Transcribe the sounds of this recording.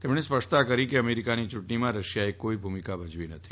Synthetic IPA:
t̪ɛmɽ̃espəʂt̪akəɾikeəmeɾikanit͡ʃʊʈəɳimãɾəʃjaekːoibʱumikabəd͡ʒʋinət̪ʰi̥

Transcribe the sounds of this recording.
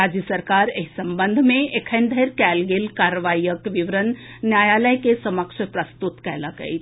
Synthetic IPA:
aːd͡ʒjəsəɾkaːɾeɦsɐmbənd̪ʱmẽekʰənd̪ʱəjɾkɛlɡilkaːɾʋaːijəkʋiʋɾənː | jaːjaːləjkesɐməkʂəpɾɐst̪ut̪kɛlakə̰ḭ

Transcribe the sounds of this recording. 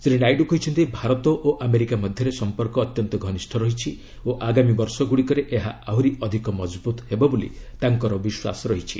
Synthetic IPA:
sɾĩɖajɖukɔɦit͡ʃʰɔnt̪ibʱaɾɔt̪ɔʔoʔameɾikamɔd̪ʱjɔɾesɔmpɔɾkɔːt̪jɔnt̪ɔɡʱɔnisʈʰɔɾɔɦit͡ʃʰi | oʔaɡamibɔɾsɔɡuɽikɔɾeʔeɦaaɦuɾiʔɔd̪ʱikɔmɔd͡ʒbut̪ɦebɔbulḭt̪aŋkɔɾɔbiswa̰sɔɾɔɦit͡ʃʰḭ

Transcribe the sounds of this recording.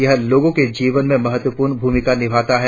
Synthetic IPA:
jɐɦloːɡõked͡ʒiːʋənmẽmɐɦət̪wəpuːɾnbʱuːmɪkanɪbʱaːt̪aɦɛ

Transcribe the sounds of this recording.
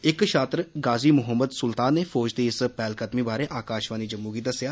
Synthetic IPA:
ɪkʃʰaːt̪ɾəɡaːziːmʊɦəmːəd̪sʊlt̪aːnːeːfɔːd͡ʒd̪iːɪspɛːlkət̪miːbaːɾeːʔaːkaːʃʋaːniːd͡ʒəmːuːɡiːd̪əsjaː

